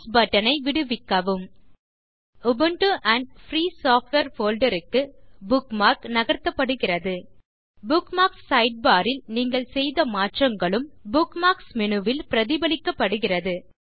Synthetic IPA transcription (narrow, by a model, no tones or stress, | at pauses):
sbɐʈːɐnɐɪʋɪɽɯʋɪkːɐʋɯm | ʊbɯɳʈɯʔɐɳɖ̚fɾiːsaːfʈʋeɾfoːlɖɐɾɯkːɯbʊkmaːɾknɐɣɐɾt̪ːɐpːɐɽɯɣɪrɐðɯ | bʊkmaːksːɐɪɖ̚baːɾɪlniːŋɡɐɭsɛjðɐmaːʈrɐŋɡɐɭɯmbʊkmaːksmɪɳɯʋɪlpɪɾɐðɪbɐlɪkːɐpːɐɽɯɣɪrɐðɯ